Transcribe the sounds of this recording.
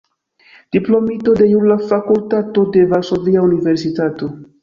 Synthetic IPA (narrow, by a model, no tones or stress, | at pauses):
d̥iplo̞mito̞de̞juɾlafakultato̞de̞valso̞viaunive̞ɾsitato̞